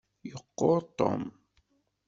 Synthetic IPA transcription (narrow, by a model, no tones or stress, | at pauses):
joqːoːt̪o̰m